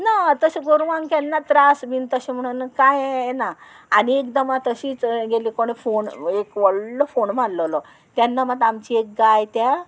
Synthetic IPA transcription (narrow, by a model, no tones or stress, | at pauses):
nat̪əɕeɡoɾʋankanːat̪ɾasmint̪əɕem̤əɽ̃unkajnaː | ɽiekd̪əmat̪əɕiːt͡sɡeliːkoɽ̃efonekʋəɭlɔfoɳm̤aɽləlɔ | t̪janːamad̪amt͡ɕiek̚ɡajt̪ja